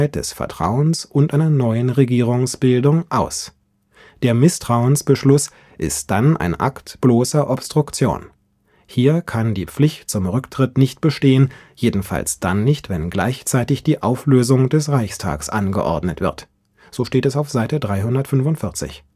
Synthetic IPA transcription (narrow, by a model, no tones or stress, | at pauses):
ɪt̚d̥ɛ̰sfɛ̰ɐtʁ̥a̰ʊənsʔʊntʔaɪnɐnɔʏənʁeɡiːʁʊŋsb̥ɪldʊŋʔaʊs | d̥eːɐmɪstʁ̥aʊənsb̥əʃlʊs | ʔɪ̰std̥anʔa̰ɪnʔa̰ktb̥loːsɐʔɔpstʁ̥ʊkt͡sjo̰ːn | hiːɐkʰandiːp͡flɪçtt͡sʊmʁʏktʁ̥ɪtnɪçt̚b̥əʃteːənjeːdn̩fa̰lsd̥a̰nːɪçtv̥ɛnɡla̰ɪçt͡saɪtɪçd̥iːʔaʊfløːzʊŋdɛsʁaɪçstʰa̰ːksʔanɡə̰ʔɔ̰ɐdnətv̥ɪɐt | z̥oːʃteːtɛsaʊfz̥aɪtədʁaɪɦʊndɐtfʏnfʊntfɪɐt͡sɪ̰ç